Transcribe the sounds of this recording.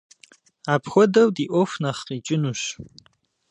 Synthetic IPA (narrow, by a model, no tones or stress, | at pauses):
aːpʰxʷɔdɐwdiʔʷɔfnɐχqiːt͡ʃʼɪnuːɕ